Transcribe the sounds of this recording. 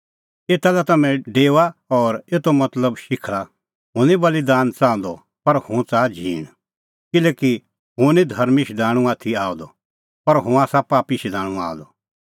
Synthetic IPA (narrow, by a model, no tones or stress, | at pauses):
eːt̪alɛt̪ɐmɛ̃ɖeːwaɔːɾeːt̪omɐt̪ləbʃɪkʰla | ɦʊ̃nibɐlid̪aːnt͡sãːnd̪ɔ | pɐɾhũt͡saːd͡ʒʱḭːɽ̃ | kɪleːki | ɦʊ̃nid̪ʱɐɾmiʃd̪aːɽ̃ũaːt̪ʰiaːɔ̃d̪ɔ | pɐɾɦʊ̃aːsapaːpiʃid̪aːɽ̃ũa̰ːd̪ɔ